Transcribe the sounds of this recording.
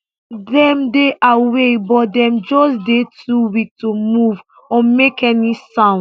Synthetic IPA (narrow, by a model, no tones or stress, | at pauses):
dɛ̃mdeʔawebɔt̚dɛ̃md͡ʒɔsdetʰuwitomuv | ɔmekʰɛnisãʊ̃n